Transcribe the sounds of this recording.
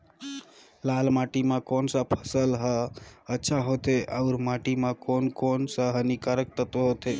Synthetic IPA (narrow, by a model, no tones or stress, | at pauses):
lalmaʈimãkonsəpʰəsəlɦəətːʃʰaɦot̪eʔaʊɾmaʈimãkonkonsəɦənikaɾək̚t̪ət̪oɦot̪e